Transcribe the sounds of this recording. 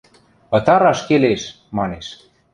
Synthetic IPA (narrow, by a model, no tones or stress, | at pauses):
pɤ̆t̪ɑɾɑʃkeleʃ | mɑneʃ